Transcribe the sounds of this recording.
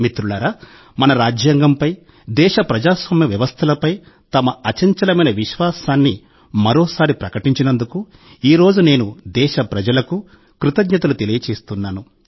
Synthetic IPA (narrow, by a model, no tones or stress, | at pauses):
mit̪ɾuɭɐɾa | mɐnɐɾaːd͡ʒjaːŋɡɐmpɐj | d̪ɛːʃɐpɾɐd͡ʒaːsʋaːmjɐʋjɐʋɐst̪ʰɐlɐpɐj | t̪ɐmɐɐt͡ʃɐɲt͡ʃɐlɐmɐjnɐʋiʃʋaːsaːnːi | mɐɾoːsaːɾipɾɐkɐʈiɲt͡ʃinɐnd̪uku | iːɾo̞ːd͡ʒune̞ːnud̪ɛːʃɐpɾɐd͡ʒɐlɐku | kɾut̪ɐɡɲɐt̪ɐlut̪e̞lijɐt͡ʃe̞ːst̪unːaːnu